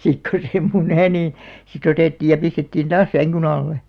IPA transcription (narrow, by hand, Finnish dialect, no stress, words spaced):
sik ko se muneˑ niˑ sit oteˑtːiːj jɑ pistetːiːn tɑːs sæŋkyn ɑlːe